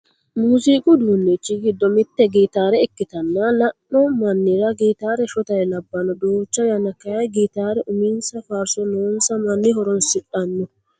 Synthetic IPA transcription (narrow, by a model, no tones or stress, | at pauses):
muːsiːkʼʊd̪uːnːɛt͡ʃːɪɡɪd̪ːɔmɪt̪ːɛɡiːt̪aːɾɛɛkːɪt̪ɐnːɐlɐːɔmɐnːɪɾɐɡiːt̪aːɾɛʃɔt̪ɐɾɛlɐbːɐnɔd̪uːt͡ʃːɐjɐnɐkːɐjɐjɡiːt̪aːɾɛʔʊmiːnsɐfaːɾsɔnoːnsɐmɐnːɪɦɔɾɔnsɪᶑʼɐnːɔ